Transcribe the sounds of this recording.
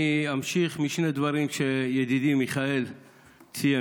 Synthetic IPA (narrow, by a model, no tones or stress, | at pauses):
iamʃiχmiʃne̞d̪vaʁimʃejed̪id̪imiχae̞l | t͡sija